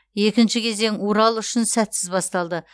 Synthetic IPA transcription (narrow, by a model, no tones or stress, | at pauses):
je̞kʲɪnʃɪkʲʰe̞ze̞ŋoɾɑlˠʏʃɪnsæt̪sɪzbɑst̪ɑlˠd̪ə